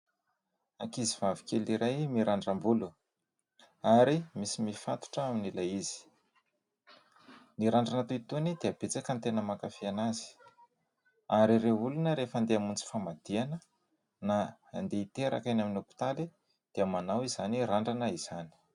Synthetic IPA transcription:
akiziv̥avi̥kʲeliɾʔajmiɾʔaɳɖ͡ʐambulu | aɾimisimifat̪u̥ʈ͡ʂəaminilaizi̥ | niɾaɳɖ͡ʐanat̪uit̪unid̪eab̥et͡sakənt̪enəmakafianazi̥ | aɾiɾeulunəɾefand̪eamunt͡si̥famad̪̥ianə | naːnd̪eit̪eɾa̰kanaminopi̥t̪ali | d̪̥eamanawizaniraɳɖ͡ʐanəiz̥ani̥

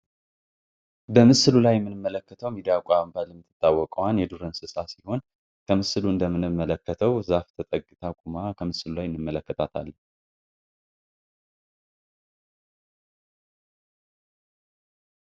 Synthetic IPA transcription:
bəmɨsɨlulajɛmːɨnɨmːələkːət̪ʰəwmid̪ijakʷʼambalɨmt̪ʰːɨ̥t̪ʰʼːawːɔkʼəwanjɛd̪uɾənsɨsʼasiho̞n | kʰəmɨsɨluɨnd̪əmːɨnɨmːələkːət̪ʰəwzaft̪ʰət̪ʼəɡʼɨt̪ʰakʼumakʰəmɨsɨlulajɨnːɨmːələkːət̪ʰat̪ʰa̰l

